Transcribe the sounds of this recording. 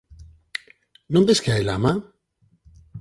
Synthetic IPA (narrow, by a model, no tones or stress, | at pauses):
nond̪eskeajla̰ma